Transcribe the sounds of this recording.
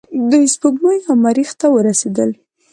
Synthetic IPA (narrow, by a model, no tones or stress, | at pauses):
d̪əspəɡnəjamaɾixt̪awəɾased̪əl